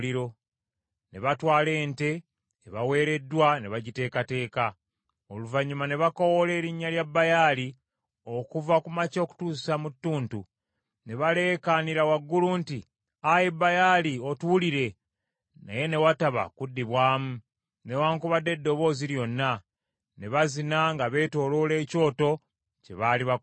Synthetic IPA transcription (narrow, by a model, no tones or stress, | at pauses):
iɾo̞ | ne̞βatwaːle̞ːnte̞ː | βawe̞ːɾe̞dwane̞βaɟite̞ːkate̞ːka | o̰luvaɲːumane̞βako̞wole̞ːɾiɲːaljabːajali | o̞kuvakumaco̞ku̥tuːsisamutːuːntu | ne̞βale̞ːkaniɾawaɡːulunti | ajebajaːlio̞tuuliɾe̞ | na̰je̞ne̞wataβa̰kudːiβwaːmu | ne̞waːŋkuβadːe̞dːo̞βo̞ːziɾjo̞nːa | ne̞βazinaŋɡaβe̞ːto̞ːlo̞le̞ːco̞ːto̞ | ce̞̰βaːliβa